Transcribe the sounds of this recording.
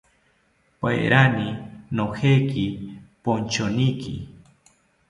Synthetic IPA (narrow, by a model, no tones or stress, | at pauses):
pa̰j̰ɾaninoxekipont͡ʃonikḭ